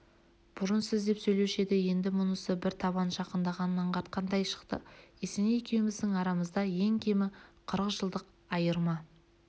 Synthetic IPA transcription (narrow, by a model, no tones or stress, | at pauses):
b̥ʊɾənsɪzd̪e̞psɵjle̞wʃe̞d̪ɪje̞nd̪ɪmʊnəsəbɪɾt̪ʰɑβɑnʒɑqənd̪ɑʁɑnənːɑɴqʰɑɾt̪̚qɑnd̪ɑjʃə̥qt̪ə̰esenejekʲʰe̞wɪmɪzd̪ɪŋɑɾɑməzd̪ɑje̞ŋkʲʰe̞mɪqʰəɾəʒəlˠd̪əq | ɑjəɾmɑ